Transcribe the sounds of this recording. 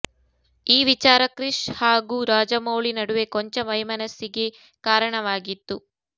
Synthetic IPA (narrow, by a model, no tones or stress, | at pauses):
iːʋit͡ʃaːɾɐkɾiʂhaːɡuːɾaːd͡ʒɐmɐwɭinɐɽuʋe̞koɲt͡ʃɐʋɐjmɐnɐsːiɡe̞ | kaːɾɐɳɐʋaːɡit̪ːu